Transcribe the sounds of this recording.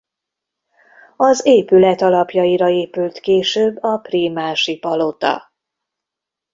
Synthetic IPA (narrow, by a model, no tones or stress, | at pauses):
ɒzeːpylɛt̪ɒlɒpjɒiɾɒeːpylt̪keːʃøːbːɒpriːmaːʃipɒlot̪ɒ̰